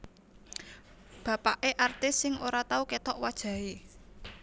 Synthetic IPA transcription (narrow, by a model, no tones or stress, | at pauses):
b̥ä̤paʔeʔart̪ɪsɪŋʔoɾat̪auket̪ɔʔwad̥ʒ̥ä̤e